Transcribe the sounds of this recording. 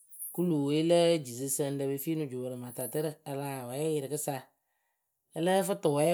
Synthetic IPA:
ku˦lu˨we˦lə˦d͡ʒi˨si˦sə˦n˦də˦be˨fi˦nʊ˨d͡ʒu˨bə˨ɾə˨ma˨ta˨tə˦ɾə˦˨a˨la˨wɛ˨˦ɛ˦jɪ˨ɾɪ˨kɨ˦sa˦ | ɛ˦lə˦fɨ˦tə˨wɛ˨˦

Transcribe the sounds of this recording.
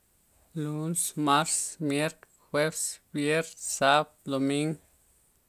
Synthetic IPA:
lu˦nsma˦ɾsmje˦ɾt̪ | xwe˦fsbje˦ɾt̪sa˦b̚lo˨mi˦ŋ

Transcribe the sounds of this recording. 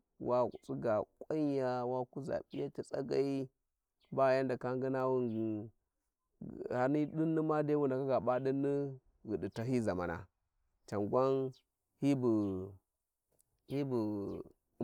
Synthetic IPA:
wa˦ɣṵ˨t͡sʼu˦ɡa˨kʷʼa˦ɲ˦a˦wa˦ku˦za̰˨ɓi˦ja˦ti˨t͡sʼa̰˦ɡa˦i˦ | ba˦˨ja˦nda˨ka˦ŋɡi˦na˦wu˦ŋ˨ | a˨ni˦ɗi˦nːi˦ma˦de˦wu˦nda˨ka˦ɡa˨ɓa˦ɗi˦nːi˦ | ɣi˨di˨ta˨ɦi˦za˨ma̰˨na̰˨ | t͡ʃa˨ŋɡʷa˦n | hi˦bu˨ | hi˦bu˨˦

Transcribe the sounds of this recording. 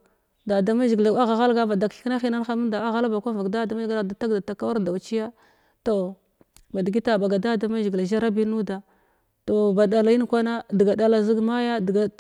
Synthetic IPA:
da˨da˦ma˦ʒi˨ɡla˦ɣa˨ɣa˦lɡa˦ba˨da˨kna˦xi˦na˦n˦xa˦ma˦da˨a˦ɣa˦la˦ba˨kʷa˦va˨kda˦da˨˦ma˦ɡla˨da˨ta˦ɡda˨ta˨ka˦wa˦ɾda˨wt͡ʃi˦ja˦ | to˨ | ba˨di˨ɡi˦ta˨ba˨ɡa˨da˦da˦ma˦ʒi˨ɡla˨ʒa˦ɾa˦bi˦nu˦da˨ | to˨ba˨da˨la˨i˦n˦kʷa˦na˦di˨ɡa˨da˦la˨zi˦ɡma˦ja˦dɡa˨

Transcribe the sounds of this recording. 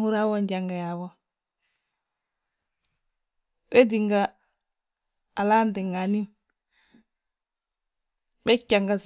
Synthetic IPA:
ŋu˦ɾa˦wɔ˦ɲɟa˨ŋɡa˨ja˨βɔ˦ | we˦di˨ŋɡa˨ | a˨la˦ndi˨ŋa˨ni˦ | bɛ˦kːa˨ŋɡa˨s

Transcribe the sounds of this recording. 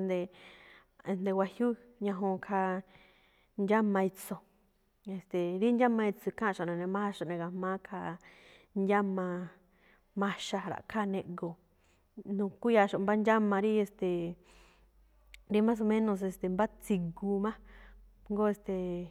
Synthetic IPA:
nd̪e˧ | e˧nd̪e˧wa˧hju˦ɲã˧ɦõ˧kʰa˧ | nd͡ʒa˦mã˧i˧t͡so˨ | e˧˨st̪e˨ɾi˦nd͡ʒa˦mã˧i˧t͡su˧kã˦˧ʃa˨nẽ˨nẽ˧mã˦ha˦ʃo˧ʔnẽ˧ɡa˧mãː˦kʰa˧ | nd͡ʒa˦mã˧ | mã˧ʃa˧˨ɾa̰˨kʰa˦˨nẽ˧ʔɡo˧˨ | nũ˧ku˦ja˧ʃo˨mba˦nd͡ʒa˦mã˧ɾi˦e˧st̪e˨ | ɾi˦mã˦s̬o˧mẽ˦nõ˧s̬e˧˨st̪e˨mba˦t͡si˧ɡu˧mã˦ | ŋɡo˦e˧st̪e˨

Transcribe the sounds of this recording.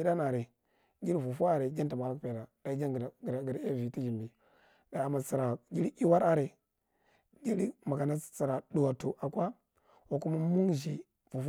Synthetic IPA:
i˦da˦na˨ɾe˨ | ɡi˦ɾvu˨fu˦a˦˨ɾe˨d͡ʒa˦n˦ta˨m˨a˨ɾa˦kpe˨da˨da˨˦d͡ʒa˦ɡɾɡi˨ɾe˦˨vi˨ti˦d͡ʒi˨mbi˨ | ɡ̥a˨a˨ma˨t͡si˨ɾa˨ɡi˦ɾi˦i˦wa˦ɾa˦ɾe˨ | ɡi˦li˦ma˨ka˨na˦˨t͡si˨ɾa˨ɗu˨wa˨tu˨ʔa˨kʷa˦ | wa˨ku˦ma˦mu˦ŋʒi˨ | vu˨f

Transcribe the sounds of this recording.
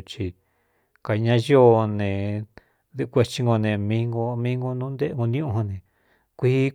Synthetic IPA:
t͡ʃi˧ | ka˨˧ɲã˧jo˦nẽ˨ | ðe˧kʷe˧t͡ʃi˧ŋɡo˧nẽ˧mĩ˧˦ŋɡo˧mĩ˦ŋɡo˧nũː˦nd̪e˦˧ŋɡo˧nĩ˦ũ˧ho˧nẽ˨ | kʷi˦

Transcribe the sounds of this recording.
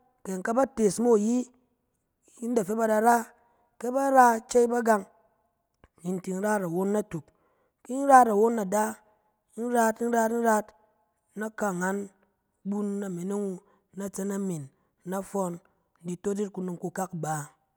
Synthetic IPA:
ke˨ŋ˨ka˦ba˦te˨smo˦˨ji˦ | i˦n̩˦da˨fe˦ba˦da˧ɾa˦ | ke˦ba˦ɾa˦t͡ʃe˦i˦ba˦ɡa˦ŋ˨ | ni˨n˦ti˨n̩˦ɾa˦ta˨wo˦nːa˦tu˨k | ki˦n̩˦ɾa˦ta˨wo˦nːa˨da˦ | n̩˦ɾa˦tn̩˦ɾa˦tn̩˦ɾa˦t | na˦ka˨ŋa˦n | bu˦nːa˨me˨ne˦ŋu˧ | na˦t͡se˦na˦mi˨nː | a˦fɔ˧n | n̩˦di˨to˦d͡ʒi˦t̚ku˨nu˨ŋku˧ka˦kba˨

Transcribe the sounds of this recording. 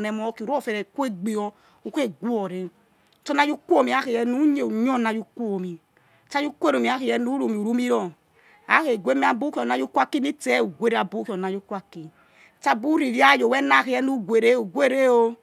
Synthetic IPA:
nɛ˨mɔ˦ki˨ɾo˦˨fɛ˨ɾɛ˨kʷe˦ɡ͡bi˨ɔ˧ | u˨˦ke˦˨ɡu˦ɔ˨ɾe˨˦˨ | tɔ˦na˦ju˦ku˦o˦˨mi˨a˨˦ke˨jɛ˨nu˦ɲe˨u˨ɲ˦ɔ˦na˨ju˦kʷo˦o˨mi˨ | t͡ʃa˦ju˦kʷe˦ɾo˨mi˨a˨˦ke˨jɛ˦nu˦ɾo˨mi˨u˨ɾu˦mi˦ɾɔ˨ | a˨˦ke˨ɡʷe˦mi˦a˨bu˦ki˦ɔ˨na˦ju˦kʷa˦ki˦ni˦te˦u˨ɡʷe˦ɾe˦a˨bu˦ki˨ɔ˨na˨˦ju˦kʷa˦ki˨ | t͡ʃa˦bu˦ɾi˨ɾi˦a˦˨jo˨wɛ˦na˦˨ke˨ɛ˦nu˦ɡʷe˨ɾe˦u˨ɡʷe˦˨ɾe˦o˦

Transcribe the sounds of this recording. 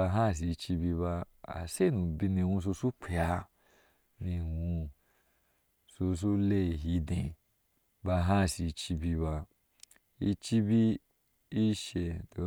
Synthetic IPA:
a˧ɦa˦˨s̬i˨˧t͡ʃi˧bi˧βa˧ | a̰˨se˦˨nũ˨bi˧nĩ˧wũ˧s̬o˧su˦k͡pʰi˨a˧ | nĩ˧wũ˧ | so˧s̬u˦le˧˨ɦi˧˦dẽ˨ | ba˧ɦa˦˨si˨˧t͡ʃi˧bi˧βa˧ | i˧t͡ʃi˦bi˦ | i˦ʃe˧do˨˦

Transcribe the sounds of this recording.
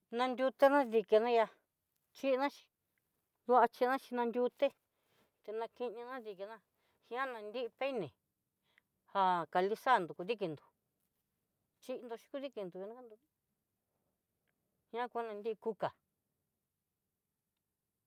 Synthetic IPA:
nã˧nd̪ʲu˧t̪e˦nã˦ði˧ke˧nã˦ja˧ | t͡ʃi˦ʔnã˦t͡ʃi̥˧ | ðu˧˦a˧t͡ʃi˧nã˦t͡ʃi˧nã˧nd̪ʲu˧t̪e˦ | t̪e˧nã˧ki˧ɲĩ˧nã˦ði˧ki˧nã˦˧ | hĩ˧˦ã˦nã˧nd̪i˦i˧pe˦nẽ˨ | ha˧ka˧li˧sa˦˨nd̪u˨ku˧ði˦ki˧nd̪u̥˨ | t͡ʃi˦ʔnd̪o˧ʃi̥˧ku˧˦ði˦ki˧nd̪u˨ja˧nã˦ka˦nd̪u˧ | hĩ˧ã˦kʷa˦nã˧nd̪i˦i˧ku˧ka˨

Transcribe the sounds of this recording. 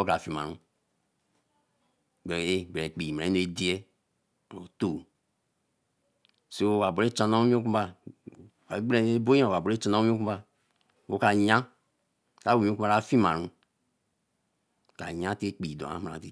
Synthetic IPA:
o˦ka˨fi˨ma̰˨ɾũ˦˨ | e˦be˨k͡pi˨m˨ɾa˨e˦no˨e˦di˦e˦˨ | o˨to˦˨ | so˦˨wa˨bo˨ɾe˦t͡ʃa˨no˦m˦o˦ku˦ba˦˨ | ka˨˦ɡ͡be˨˦bo˦ã˦˨a˨bo˨e˦t͡ʃa˦na˦mi˦o˦ku˦ba˦ | wo˦ka˨ɲã˦ | ka˦wo˨m˦ku˦a˦a˨˦fi˦ma˨ɾũ˦ | ka˨ɲã˦te˦k͡pi˨do̰˨a̰˨˦m˨ɾa̰˨te˨

